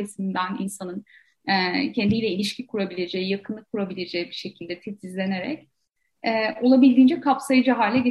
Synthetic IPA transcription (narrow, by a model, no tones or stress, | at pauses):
esind̪ænḭnsanɯn | ɛcʰɛnd̪ijlʲɛilʲiʃcʰikʰuɾabilʲe̞d͡ʒejijakʰɯnˠɯkʰuɾabilʲe̞d͡ʒejibiʃe̞cʰilʲd̪ɛt̪ʰɛt̪ʰizlʲe̞ne̞ɾɛ̰c | ɛːo̞lˠabilʲd̪iːnd͡ʒɛkʰapsajɯd͡ʒaɦaːlʲɛɟe